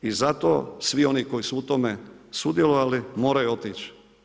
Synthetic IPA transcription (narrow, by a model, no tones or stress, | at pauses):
izat̪oːsʋio̞niko̞jisuut̪omesud̪jeloʋalimo̞ːɾajuo̞t̪iːt͡ʃ